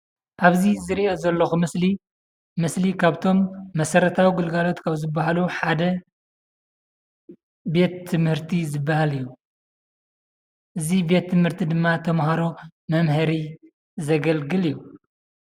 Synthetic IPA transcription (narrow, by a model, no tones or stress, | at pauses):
ʔaβzizɨɾiʔazɐlːɐxumɨsli | mɨslikʰaβt̪ʰo̞mːɐsɐɾɐt̪ʰawiɡɨlɡalo̞t̪kʰaβzɨbːaɦaluħad̪ɐ | be̞t̪ʰːɨmhɨɾt̪ʰizɨbːahalijːu | ʔɨzibe̞t̪ʰːɨmhɨɾt̪ʰid̪ɨmːat̪ʰɐmɦaɾo̞mɐmɦɐɾi | zɐɡɐlɡɨlijːu